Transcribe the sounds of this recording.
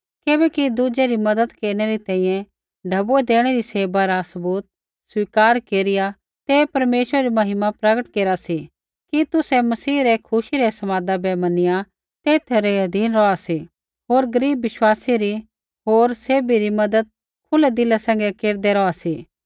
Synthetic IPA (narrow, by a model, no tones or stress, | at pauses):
kɪbɛkid̪uːd͡ʒeɾimɐd̪əd̪keːɾñɛɾit̪ɛ̃ːĩjɛ̃ | ɖʱɐbuɛd̪eːɽ̃eɾiseːbaɾasɐbuːt̪̚ | swiːkaːɾkeːɾɪja | t̪epɐɾmeːʃwəɾɛɾimɐɦɪmapɾɐɡəʈkeːɾasi | kit̪ʊsɛmɐsiːɾɛkʰʊʃiɾɛsɐmaːd̪abɛmɐnɪja | t̪eːt̪ʰeɾeɦɐd̪ʱiːnɾɔasi | ɦoːɾɡɐɾiːbːɪʃwaːsiɾi | ɦoːɾseːbiɾimɐd̪əd̪̚ | kʰʊlɛd̪ɪlasɛ̃ŋɡɛkeːɾd̪ɛɾɔasiː